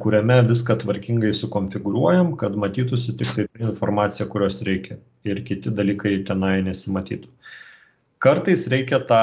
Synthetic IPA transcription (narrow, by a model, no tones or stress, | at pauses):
kʊɾʲɛmʲɛʋʲɪskɐt̪ʋɐɾʲkʲɪŋɡɐɪsʊkoːnʲfʲɪɡʊɾuɔjɛmkɐt̪mɐt̪ʲiːt̪ʊsʲɪt̪ʲɪkt̪ɐɪt̪ɪnfoɾmɑːt̪sʲɪjɛkʊɾʲoːsɾʲʔɛɪkʲɛ | ɪɾkʲɪt̪ʲɪd̪ɐlʲiːkɐɪt̪ʲɛnɐɪnʲɛsʲɪmɐt̪ʲiːt̪ʊ̥ | kɐɾt̪ɐɪsɾʲɛɪkʲɛt̪ɑː